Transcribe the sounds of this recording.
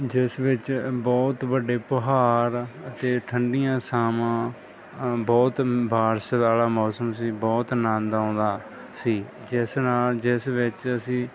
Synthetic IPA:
d͡ʒɪsʋɪt͡ʃbɔːt̪bəɖeːpəɦaːɾət̪eːʈʰəɳɖijãːsaːmãː | bɔːt̪bʱaːɾsət̪aːlaːmɔːsəmsiːbɔːt̪nãːnd̪ãːd̪aː | siː | d͡ʒɪsnaːld͡ʒɪsʋɪt͡ʃəsĩː

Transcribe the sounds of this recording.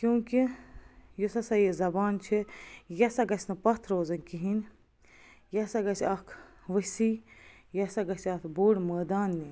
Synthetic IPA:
kjũːki | jusɐsɐjezɐbaːnt͡ʃʰijɐsɐɡɐsʲnɐpɐt̪ʰɾoːzɐnkiɦin | jɐsɐɡɐsɐkʰ | ʋəsi | jɐsɐɡɐsɐt̪ʰboːɽməːd̪aːnːi

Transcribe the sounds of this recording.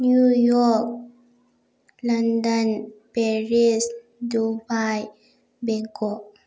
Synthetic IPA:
nujɔk̚ | landənpɛɾis | dubaj | beɡɔʔ

